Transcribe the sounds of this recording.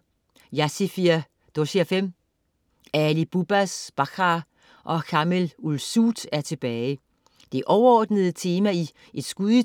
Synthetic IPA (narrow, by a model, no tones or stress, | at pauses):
jæsifiɐ | d̥osiæfem̰ | ælib̥ub̥æsb̥ɑ̈kʰʁɑ | ʔɒ̽kʰɑ̈melulsud̥æɐt͡sʰe̝b̥ɛːɪ | d̥e̝ʔɒʊɐɒːd̥nəð̩ˠət͡sʰe̝ːmæi | ʔe̝d̥sɡ̥uðˠi